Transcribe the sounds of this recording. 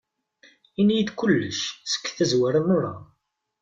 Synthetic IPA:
injid̪kʊlːəʃsə̥kːθæzwaɾənːʊɾˤa̰

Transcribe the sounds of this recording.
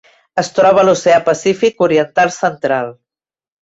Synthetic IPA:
əst̪ɾɔβ̞əluseapəsifikuɾiənt̪alˠsənt̪ɾalˠ

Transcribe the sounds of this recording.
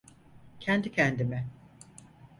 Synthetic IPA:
cʰɛnd̪icʰɛnd̪imɛ

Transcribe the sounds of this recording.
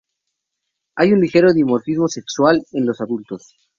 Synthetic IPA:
ajunlixe̞ɾoðjiumoɾfizmo̞sekswale̞nlo̞saðult̪o̞s

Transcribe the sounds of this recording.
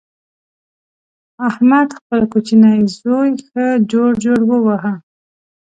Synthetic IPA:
ahmad̪xpəlkut͡ʃinajzojxəd͡ʒoɽd͡ʒoɽwəwaɦa

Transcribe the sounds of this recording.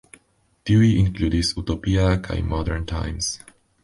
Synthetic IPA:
d̪̥uiɪ̃nkluːdisut̪opiakʰa̰ɪmɔdəɹntʰã̰ɪ̃ms

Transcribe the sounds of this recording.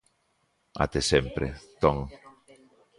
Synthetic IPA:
a̰t̪esempɾḛt̪ɔŋ

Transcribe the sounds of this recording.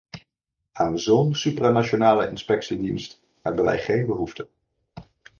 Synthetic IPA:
aːnzownsypranat͡ʃonaːləʔɪ̰nspɛksidinst | ɦɛ̰bənʋɛ̰jχejnbəɦuftə

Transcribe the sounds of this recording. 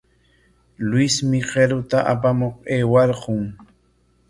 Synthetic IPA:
lwɪsmɪqeɾʊt̪aʔa̰pamoqeːwɑɾqʊŋ

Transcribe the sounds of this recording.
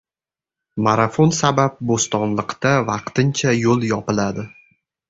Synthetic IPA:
maɾafonsabap̚bost̪ɒnlˠɨqt̪avɑqt̪ʰɪnt͡ʃʰajolˠjɒpɪlad̪ɪ

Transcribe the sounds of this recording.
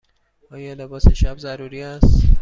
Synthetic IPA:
ɒːjɒːlebɒːseʃæbzæɾuːɾiːæst̪

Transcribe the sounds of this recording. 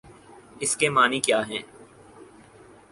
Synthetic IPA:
ɪskemaːnikjaːɦɛ̃ː

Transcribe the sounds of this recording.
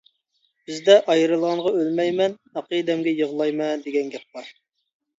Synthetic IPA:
b̥ɪzd̪ɛʔɑjɾɨlˠʁɑɴʁɑølmɛjmɛnhɑqid̪ɛmɡʲɛjəʁlˠɑjmɛd̪eɡʲɛnɡʲɛp̚bɑɾ

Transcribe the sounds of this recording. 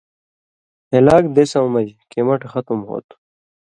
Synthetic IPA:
helaːkd̪esɐw̃mɐd͡ʑkemɐʈxɐt̪umho̰ːt̪u

